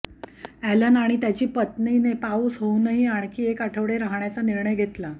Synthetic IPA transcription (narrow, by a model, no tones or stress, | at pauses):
ælənaɽ̃it̪jat͡ɕiːpət̪niːnepauːsɦounəɦiaɳ̃kiːekaʈʰəʋɽeɾaɦɳjat͡saniɾɳəjɡʱet̪la